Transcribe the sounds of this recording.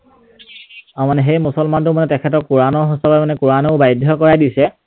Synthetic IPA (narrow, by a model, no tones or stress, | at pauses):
amanɛɦejmusɔlmantʊmanɛtɛkʰɛtɔɹkuɹanɔɹɦɔsɔbamanɛkuɹanɔʊbajdʱjɔkɔɹajdisɛ